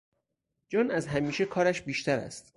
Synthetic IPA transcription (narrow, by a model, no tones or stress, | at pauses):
d͡ʒɒːnæzɦæmiːʃekʰɒːɾæʃbiːʃt̪ʰæɾæ̰st̪